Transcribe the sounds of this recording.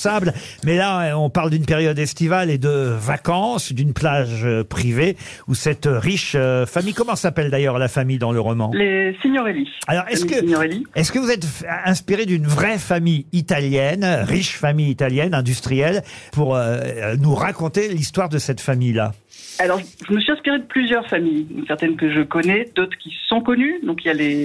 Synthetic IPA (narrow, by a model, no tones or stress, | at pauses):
sabl | mɛlaɔ̃paʁld̪ynpeʁjɔd̪ɛst̪ivaled̪əvakɑ̃sd̪ynplaʒpχiveusɛt̪ʁiʃøfamijkɔmɑ̃sapɛld̪ajœʁlafamijd̪ɑ̃ləʁɔmɑ̃lesiɲɔʁelialɔʁɛskəɔʁeliɛskəvuzɛt̪ɛ̃spiʁed̪ynvʁɛfamijit̪aljɛnʁiʃfamijit̪aljɛnɛ̃d̪yst̪χijɛlpuʁønuʁakɔ̃t̪elist̪waʁd̪əsɛt̪famijla̰ | alɔʁʒəʒəməsɥʲiɛ̃spiʁed̪əplyzjœʁfamijd̪ɔ̃ksɛʁt̪ɛnkəʒəkɔnɛd̪ot̪χə̥kʲisɔ̃kɔnyd̪ɔ̃kiljale